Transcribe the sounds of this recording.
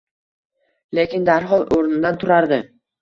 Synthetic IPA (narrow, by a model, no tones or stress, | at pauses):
lekʲɪnd̪aɾɦɒlˠoɾnɪd̪ant̪ʰʊɾaɾd̪ɪ